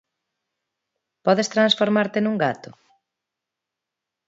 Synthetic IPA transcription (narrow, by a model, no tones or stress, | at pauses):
pɔðest̪ɾansfoɾmaɾt̪ɪnuŋɡat̪ʊ